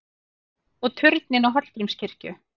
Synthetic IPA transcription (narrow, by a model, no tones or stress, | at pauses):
ɔɣt̪ʰʏɾt̪nɪnawɦɔtl̥t̪ɾimscɪr̥cʏ